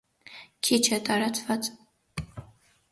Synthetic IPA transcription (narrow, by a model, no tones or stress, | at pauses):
kʰit͡ʃʰɛt̪ʼɑɾɑt͡sʰʼvɑt͡sʼ